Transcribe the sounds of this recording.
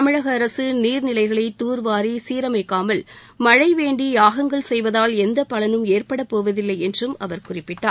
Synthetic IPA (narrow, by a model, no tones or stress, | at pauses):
ɐmɪɻɐɣɐːɾɐsɯniːɾnɪlɐɪɣɐɭɐɪt̪uːɾʋaːɾisiːɾɐmɐɪkːaːmɐl | mɐɻɐɪʋeːɳɖiaːɣɐŋɡɐɭsɛjʋɐðaːlɛnd̪ɐpɐlɐnɯmeːrpɐɽɐpːoːʋɐðɪlːɐɪɛndrɯmɐ̰ʋɐɾkʊrɪpːɪʈːaːɾ